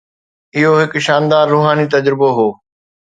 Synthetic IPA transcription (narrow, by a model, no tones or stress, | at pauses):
ɪɦoɦɪkʃaːnd̪aːɾːuːɦaːnit̪ɐd͡ʑɾɪboɦoː